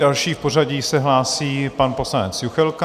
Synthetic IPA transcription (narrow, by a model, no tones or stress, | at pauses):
dalʃiːfpo̞raɟiːsɛɦlaːsiːpanpo̞slanɛt͡sjuxɛlk